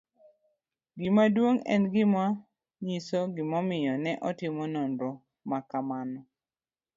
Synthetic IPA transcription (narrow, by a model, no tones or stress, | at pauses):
ɡɪmadwoŋɛ̰nɡɪma | ɲisoɡɪmɔmɪjɔnɛʔɔtɪmɔnonɾo | makamanɔ